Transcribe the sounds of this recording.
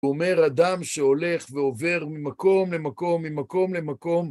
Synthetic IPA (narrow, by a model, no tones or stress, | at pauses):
ome̞ʁad̪amʃʃe̞o̞le̞χveo̞ve̞ʁmimako̞mle̞mako̞mːimako̞mle̞mako̞m